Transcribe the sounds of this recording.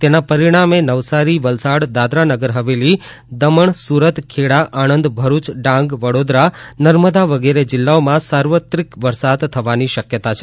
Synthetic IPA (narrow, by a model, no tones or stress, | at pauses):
t̪enapəɾiɽ̃amenəʋsaɾiʋəlsaɽd̪ad̪ɾanəɡəɾɦəʋeli | d̪əməɳsuɾət̪kʰeɽaʔanənd̪bʱəɾut͡ʃɖãŋɡʋəɽod̪ɾanəɾməd̪aʋəɡeɾed͡ʒɪlːaomãsaɾʋət̪ɾikʋəɾsad̪t̪ʰːəʋaniʃəkjət̪at͡ʃʰe